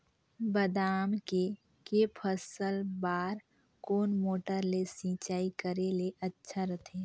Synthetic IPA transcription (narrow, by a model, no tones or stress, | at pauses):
bəd̪aːmke | kepʰəsəlbaːɾ | koːnmoːʈəɾlesĩːt͡ʃaːikəɾeleʔətːʃʰaɾət̪ʰeː